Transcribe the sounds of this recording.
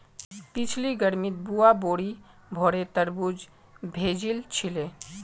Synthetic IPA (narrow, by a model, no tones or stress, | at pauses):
pit͡ɕʰliɡəɾmit̪̚buaboɽi | bʱɔɽet̪əɾbud͡ʑ | bʱed͡ʑilt͡ɕʰile